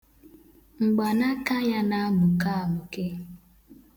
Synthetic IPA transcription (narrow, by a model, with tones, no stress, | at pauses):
ŋ͡m̩˨ɡ͡ba˨na˦ka˦ɲa˦na˦mʊ˨ka˦a˨mʊ˨ke˦